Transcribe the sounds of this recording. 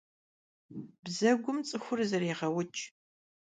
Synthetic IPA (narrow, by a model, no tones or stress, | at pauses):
bzɐɡʷʊmt͡sʼɨxʷʊrzɐɾeːʁɐwʊt͡ʃʼ